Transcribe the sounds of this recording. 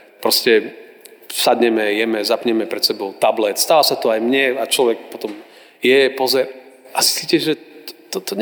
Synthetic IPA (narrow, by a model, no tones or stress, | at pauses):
pɾɔscɛ | sad̪ɲɛmɛjɛmɛzapɲɛmɛpɾɛt̪sɛbɔʊt̪ablɛt̪st̪aʋasat̪ɔajmɲɛat͡ʃlɔʋɛk̚pɔt̪ɔm | jɛpɔzɛɾ | ʔasisiːcɛʒɛt̪ɔt̪ɔɲ